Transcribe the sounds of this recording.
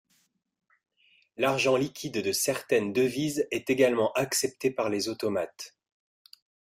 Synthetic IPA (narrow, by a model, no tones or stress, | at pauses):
laʁʒɑ̃likʲid̪d̪əsɛʁt̪ɛnd̪əvizɛt̪eɡalmɑ̃ʔaksɛp̚t̪epaʁlezot̪ɔmat̪